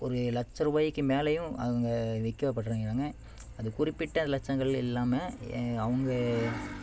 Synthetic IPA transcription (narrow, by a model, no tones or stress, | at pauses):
ɔɾɯlɐt͡ʃːɐɾʋaːjɪkːɯmeːlɐjʊ̃ɐ̰ɐŋɡɐʋɛkːɯʋɐpːɐʈːɯɾɯŋɡɾaːŋɡɐ | ɐðɯkʊrɪpːɪʈːɐnɐlɐt͡ʃːɐŋɡɐɭɪlːaːmɐɐʋɐŋɡɐ